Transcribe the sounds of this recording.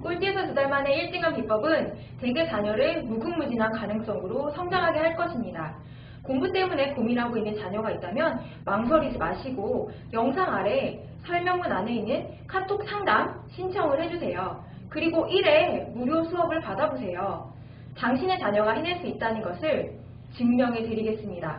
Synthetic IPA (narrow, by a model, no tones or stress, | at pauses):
k͈oɭt͈iesʰʌtudaɭmane̞iɭt͡ɕ͈iŋanpip͈ʌbɯn | te̞ɡe̞t͡ɕaɲʌɾɯmuɡɯŋmud͡ʑinɦankanɯŋs͈ʌŋɯɾosʰʌŋdaŋɦaɡe̞haɭk͈ʌɕʰimɲida | koŋbut͈e̞mune̞pominɦaɡoinːɯnt͡ɕaɲʌɡait̚t͈amjʌn | maŋs̬ʰʌɾid͡ʑimaɕʰiɡo | jʌŋsʰaŋaɾe̞ | sʰʌɭmjʌŋmɯnane̞inːɯn | kʰatʰok̚sʰaŋdam | ɕʰint͡ɕʰʌŋɯɭhe̞d͡ʑusʰe̞jo | kɯɾiɡoʔiɾe̞muɾjosʰuɦʌbɯɭpadabos̬ʰe̞jo | taŋɕʰine̞t͡ɕaɲʌɡaɦineɭs͈uit̚t͈anɯnɡʌsʰɯɭ | t͡ɕɯŋmjʌŋeteɾiɡe̞s͈ɯmɲida